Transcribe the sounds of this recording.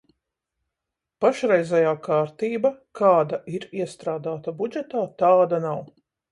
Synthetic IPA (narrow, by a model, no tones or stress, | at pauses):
paʃɾɛjzɛjaːkaːɾt̪iːbakʰaːd̪aʔiɾiɛst̪ɾaːd̪aːt̪abud͡ʒɛt̪aːt̪aːd̪anaw